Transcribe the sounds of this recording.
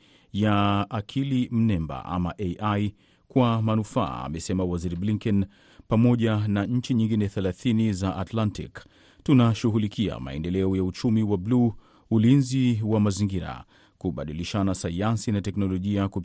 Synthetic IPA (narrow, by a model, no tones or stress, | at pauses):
jaakʰilim̩nɛmba̰ʔa̰maʔeʔaj | kwamanufa̰ːmɛsɛmawaziɾibliŋkɛn | pamɔʄanaɲ̩t͡ʃiɲiŋɡinɛθɛlaθinizaʔatlantḭk | tunaʃuɣulikia̰ma̰ɛ̰ndɛlɛɔjaut͡ʃumiwablu | ulinziwamaziŋɡiɾa̰ | kuɓaɗiliʃanasajansinatɛknɔlɔʄiaku